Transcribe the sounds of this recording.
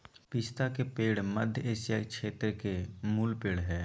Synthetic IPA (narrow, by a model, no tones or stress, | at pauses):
pɪst̪akepeːɽməd̪ʱjeːsjakʃʰeːt̪ɾəkemuːlpeːɽɦɛː